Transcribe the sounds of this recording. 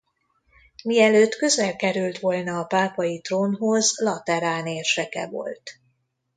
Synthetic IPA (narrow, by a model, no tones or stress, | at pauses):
miɛløːt̪køzɛlkɛɾylt̪ʋo̞lnɒːpaːpɒjit̪roːnɦo̞zlɒt̪ɛɾaːneːrʃɛkɛ̰vo̰lt̪